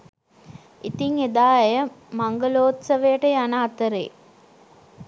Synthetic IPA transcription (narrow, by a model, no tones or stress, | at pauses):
it̪iŋed̪aːjəmaŋɡəloːt̪sɐʋejəʈəjanaːt̪əɾḛː